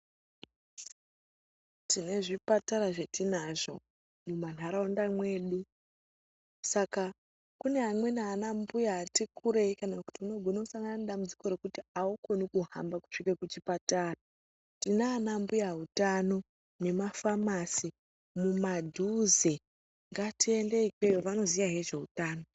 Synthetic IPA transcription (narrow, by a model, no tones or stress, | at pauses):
tine̞ʐipataɾaʐe̞tinaʐo̞̰ | muman̤aɾaondamwe̞ːɗu | saka | kune̞ɦamwe̞naːnambujaːtikʰuɾeikanaku̥tiuno̞ɡʱonausaŋɡananeɗamud͡zi̥ko̞ɾe̞kutiaukonikuɦa̰mbaku̥t͡ʃikekut͡ʃipataːra | tinaːnambujaɦutano̞ | ne̞mafamasi | mumadʱuze | ŋɡatiendeikwejoʋano̞zijaɦe̞ʐe̞utaːno̞